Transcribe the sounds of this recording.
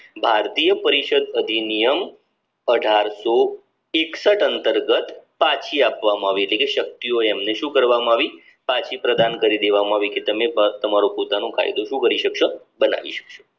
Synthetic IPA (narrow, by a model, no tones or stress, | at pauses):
bʱaɾt̪ijəpəɾiʃəd̪əd̪ʱinijəm | əɖʱaɾso | eksəʈənt̪əɾɡət̪pãt͡ʃʰiapʋamaaʋieʈlekeʃək̚t̪ioɛmneʃũkəɾʋamãaʋi | pãt͡ʃʰipɾəd̪ankəɾid̪eʋamãaʋiket̪əmebt̪əmaɾopot̪anõkʰa̰j̰d̪oʃũkəɾiʃəkʃo | bəna̰ʋḭʃə̥kʃo̥